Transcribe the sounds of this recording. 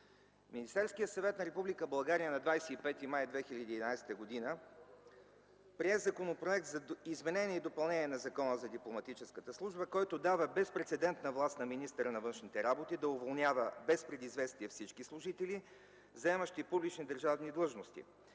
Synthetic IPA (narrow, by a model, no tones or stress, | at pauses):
minist̪ɛɾskijət̪sɐvɛt̪nɐɾɛpublʲikəbɐlˠɡaɾijənɐd̪vajsɛipɛt̪imajd̪vɛxiʎʲəd̪iːd̪inajsɛ̥t̪əɡod̪inə | pɾiɛzɐkonopɾoɛk̚t̪zɐizmɛnɛnʲiɛid̪opɐlˠnɛnʲiɛnɐzɐkɔnəzɐd̪iplˠomɐt̪it͡ʃɛskət̪əslˠuʒbəkɔjt̪od̪avəbɛspɾɛt̪sɛd̪ɛnt̪nəvlˠast̪nɐminist̪əɾənɐvɤnʃnit̪ɛɾabot̪id̪ɐʊvolˠnʲjavəbɛspɾɛd̪izvɛst̪iɛfsit͡ʃkislˠʊʒit̪ɛli | zɐɛməʃt̪ipublʲit͡ʃnid̪əɾʒavnid̪lˠɤʒnost̪ḭ